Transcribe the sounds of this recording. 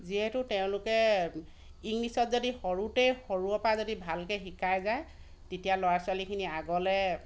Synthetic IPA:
ziɦɛtʊteʊ̃lʊkɛ | iŋnisɔtzodixɔɹutejxoɹuɔpazodibʱalkɛxikʰajzaj | tetijalɔwaɹsʊalikʰiniaɡɔlɛ

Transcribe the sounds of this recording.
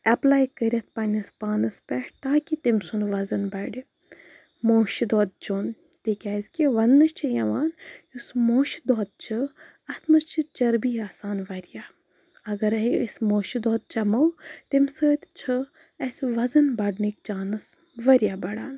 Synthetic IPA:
ɐplaːjkəɾʲɐt̪̚ʰpɐnʲɐspaːnɐspɛʈt̪aːkʲit̪imsunʋɐzɐnbɐɖi | moːʃid̪oːd̪̚d͡ʒoːn | t̪ikʲaːzkʲiʋɐnːɐʃt͡ʃʰijɐʋaːnjusmoːʃid̪oːd̪̚t͡ʃʰɨ | ɐt̪ʰmɐst͡ʃʰɨt͡ʃɐɾbiːaːsaːnʋɐɾjaː | ɐɡɐɾɐismoːʃid̪oːd̪̚t͡ʃɐmɐwt̪imsɨːt̪ʲt͡ʃʰɨ | ɐsʋɐzɐnbɐɖnikt͡ʃaːnɨs | ʋɐɾijaːbɐɽaːn

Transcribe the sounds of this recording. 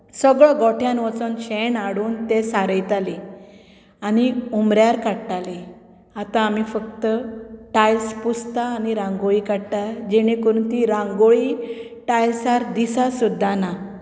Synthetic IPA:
səɡɭəɡɔʈʰjãnʋɔt͡sɔnɕenaɽuːnt̪esaɾəjt̪ali | añiumɾjaɾkaɽʈ̪ali | at̪ãːmifəkt̪əʈajspust̪aːniɾãŋɡoɭikaɽʈ̪ad͡ʑeɽ̃ikuɾuːnt̪iɾãŋɡoɭi | ʈajsaɾd̪isasud̪ʱːana

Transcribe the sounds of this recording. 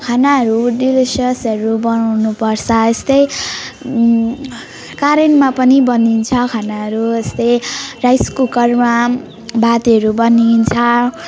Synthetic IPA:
kʰanaɦʌɾuɖilisʌsʌɾubʌnawnupʌrt͡sʰʌest̪ʌj | kaɾenmapʌnibʌnint͡sʰʌkʰanaɦʌɾuest̪ʌjrajskukʌrma | bat̪iɦʌɾubʌnint͡sʰʌ

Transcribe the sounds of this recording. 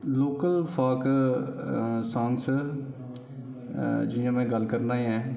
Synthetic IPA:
loːkəlfʰaːk | sãːŋɡs | d͡ʒɪjãːmɛ̃ːɡəlkəɾnaːiɛ̃ː

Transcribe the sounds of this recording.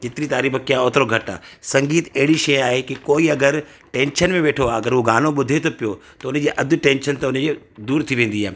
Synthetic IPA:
kɪt̪ɾit̪aːɾiːfʰəkɪjãoːt̪ɾoɡʱɐʈa̰ːsɐ̃ŋɡiːt̪ɐɦɪɽiʃɐjaːɦekikoːiɐɡəɾ | ʈẽːnʃənmẽʋeːʈʰoaːɐɡəɾɦuɡaːnoɓʊd̪ʱet̪opijot̪ɐʊnəd͡ʑeːʔɐd̪ʱʊʈẽːnʃənt̪ɐʊnəd͡ʑe | d̪uːɾt̪ʰiʋẽːn̆d̪iaːɦe

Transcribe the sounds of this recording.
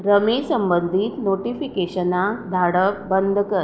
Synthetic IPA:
ɾəmiːsəmbənd̪ʱiːt̪noʈifikeɕənad̪ʱaɽəbənd̪ʱəkə

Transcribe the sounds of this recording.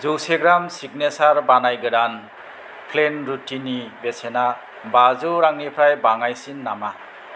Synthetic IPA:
zuwseɡɾamsik̚nesaɾbanajɡɯɾan | pʰlenɾutinːibesena | bazuɾaŋnipʰɾajbaŋajsinːama

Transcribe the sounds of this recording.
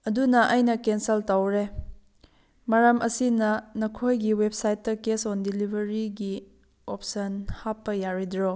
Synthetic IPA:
ɐdunɐʔɐjnɐkensɐltawɾe | maɾɐmʔɐsinɐnɐkʰojɡiwep̚sajt̚ːɐkesondilibʱɐɾiɡi | op̚sɐnhapːɐjaɾidɾo

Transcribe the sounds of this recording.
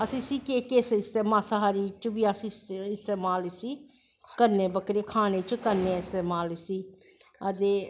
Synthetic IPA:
əsĩːsiːkeːkeːsɪst̪eːmaːsəɦaːɾiːt͡ʃʋiːəsĩsɪst̪eːmaːlesiː | kəɾneːbəkɾeːkʰaːneːt͡ʃkəɾneːɪst̪eːmaːlsiː | ət̪eː

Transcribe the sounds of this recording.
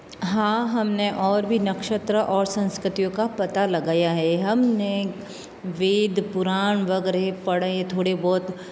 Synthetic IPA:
ɦãːɦɐmneʔɔːɾbʱinɐkʃət̪ɾəʔɔːɾsɐ̃nskɾɪt̪ijõkapɐt̪alɐɡaːjaɦɛɦɐmne | ʋeːd̪ʱpʊɾaːɳ̃ʋɐɡɛɾepɐɽeet̪ʰoːɽebɔːt̪

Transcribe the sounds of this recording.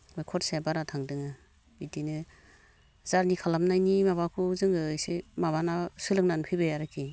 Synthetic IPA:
bɔjkʰɔtsaabaɾatʰaŋdɯŋɯ | bitinɯ | zaɾnikʰalamnajnimaβakʰuzɯŋɯjsemaβanasɯlɯŋnanpʰɯbɯjaɾɯkʰi

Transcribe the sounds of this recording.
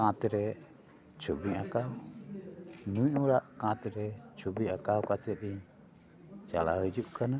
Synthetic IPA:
aŋat̪iɾɛ | t͡ʃubiʔakaw | nuiʔuɾaʔkaŋat̪iɾɛt͡ʃubiʔakawkat͡ʃɛt̪i | t͡ʃa̰la̰id͡ʒuʔkana

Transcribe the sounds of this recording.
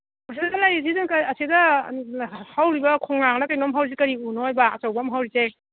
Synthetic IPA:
mɐs̬ʰidalajzizankaɐsidɐ | hawɾibɐkʰɔŋnaŋnɐkajnɔmɦawɾiz̬ekɐɾiunojbaːt͡ʃawbamɦawɾize

